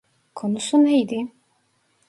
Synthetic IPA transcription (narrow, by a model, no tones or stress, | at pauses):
kʰonusunejd̪i